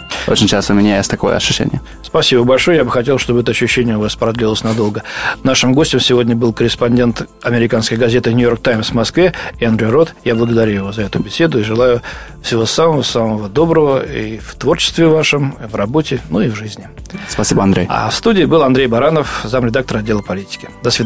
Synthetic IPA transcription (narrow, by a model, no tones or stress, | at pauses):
o̰t͡ɕɪnʲt͡ɕast̪əʊmʲɪnʲajesʲtʲt̪ɐko̰jə̰ɐ̰ɕʊɕːḛnʲɪ̰jə | spɐsʲibəbɐlʲʂojəjabɨxɐtʲelˠʂt̪o̞bəɛt̪əɐɕːʏɕːenʲɪjəʊvaspɾɐd̪lʲilˠəsʲnɐd̪o̞lˠɡənaʂɨmɡo̞sʲtʲɪmsʲɪvodʲnʲəbɨlˠkəɾʲɪspɐnʲdʲent̪ɐmʲɪɾʲɪkanskəjɡɐzʲet̪ɨnʲʊjo̞rk̚t̪ajmsvmɐskvʲe̞ɪɐnd̪ɾʲejro̞t̪jablˠəɡəd̪ɐɾʲujɪvo̞zəɛt̪ʊbʲɪsʲe̞d̪ʊiʐɨlˠajʊ | fsʲɪvo̞saməvəsaməvəd̪o̞bɾəvəift̪vo̞rt͡ɕɪ̥st̪vʲɪvaʂɨmivrɐbo̞tʲɪnuivʐɨzʲnʲɪ | spɐsʲibəɐnd̪ɾʲḛja̰fst̪udʲɪːbɨlˠɐnd̪ɾʲejbɐɾanəfzamɾʲɪd̪ak̚t̪əɾɐdʲːe̞lˠəpɐlʲitʲɪ̥kʲɪ̥d̪ɐsvʲɪ